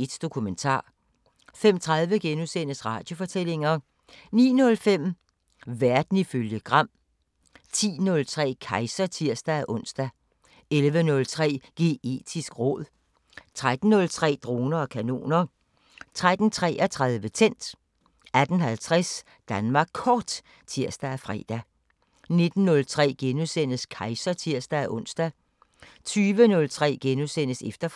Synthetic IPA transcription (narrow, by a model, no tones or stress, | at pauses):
ed̥d̥o̝kʰument͡sʰɑ̰̈ː | fem̰t͡sʰʁɑ̈ð̞ˠʋəɡ̥enusenəsʁɑ̈ːd̥jo̝fɒ̽t͡sʰel̰e̝ŋɐ | nḭːnɔ̽lfem̰ | ʋæɐd̥n̩iføljəɡ̥ʁɑ̈m̰ | t͡sʰḭːnɔ̽lt͡sʰʁɛ̰ːkʰɑ̈ɪsɐt͡sʰiɐ̰sd̥ææʔɔ̽n̰sd̥æ | elʋənɔ̽lt͡sʰʁɛ̰ːɡ̥e̝ːe̝̰ːd̥ʰisɡ̥ʁɔð̞̰ˠ | t͡sʰʁad̥n̩nːɔ̽lt͡sʰʁɛ̰ːd̥ʁo̝ːnɐɒ̽kʰæno̝̰ːnɐ | t͡sʰʁad̥n̩t͡sʰʁɛ̰ːʔæt͡sʰʁäð̞ˠʋət͡sʰen̰d̥ | æd̥n̩ɦælt͡sʰʁɛs | d̥ænmɑ̈ːɡ̥kʰːɒːd̥ | t͡sʰiɐ̰sd̥ææfʁɛ̰ːd̥æ | ne̝d̥n̩ːɔ̽lt͡sʰʁɛ̰ːɡ̥enusen̰əskʰɑ̈ɪsɐt͡sʰiɐ̰sd̥æʔɔ̽n̰sd̥æ | t͡sʰyːʋənɔ̽lt͡sʰʁɛ̰ːɡ̥enusen̰əsefd̥ɐ